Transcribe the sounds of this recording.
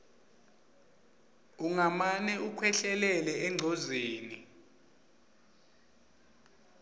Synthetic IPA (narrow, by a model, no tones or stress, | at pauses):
uŋamanɛukʰwɛɬɛlɛlɛɛŋ͡ǀʱozeːni